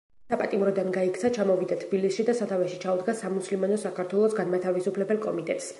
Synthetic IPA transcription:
sapʼat̪ʼimɾɔd̪anɡaikʰt̪sʰat͡ʃʰamɔvid̪at̪ʰbilisʃid̪asat̪ʰavɛʃit͡ʃʰaud̪ɡasamuslimanɔsakaɾt̪ʰwɛlˠɔsɡanmat̪ʰavisupʰlɛbɛlˠkʼɔmit̪ʼɛt̪ʼs

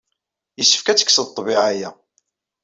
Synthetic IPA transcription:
jəsːə̥fkæt͡sːə̥kːsət̪ˤːbiʕajæ

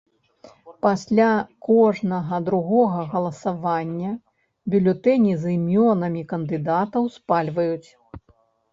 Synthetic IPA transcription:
pasʲlʲakɔʐnɐɣɐd̪ɾuɣɔɣɐɣɐlˠɐsavanʲːɐ | bʲulʲɔt̪ɛnʲizɨmʲɔnɐmʲikɐnd̪ɨd̪at̪ɐwspalʲvɐjut͡sʲ

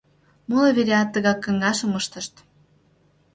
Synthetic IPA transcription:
molɤβeɾʲeɑt̪ːə̆ɣɑkːə̆ŋɑʃə̆məʃt̪ə̆ʃt̪

